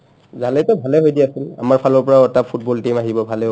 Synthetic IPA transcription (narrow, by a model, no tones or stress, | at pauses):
zalɛtɔbʱalɛɦojdiasila̰maɹpʰalɔɹpɔɹaɛtapʰut̚bɔltimaɦibɔbʱalɛ